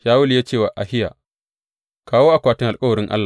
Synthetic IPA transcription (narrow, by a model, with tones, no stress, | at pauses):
ʃaː˦wʊ˦ljaː˦t͡ʃeː˦˨waː˨ʔa˨hɪ˦ja̰ː˨ | kaː˦woː˦ʔa˨kʷaː˨tɪ˦ŋʔa˨lkʼɐ˦wɐ˨ɾɪ˦ŋʔa̰˦lːa˨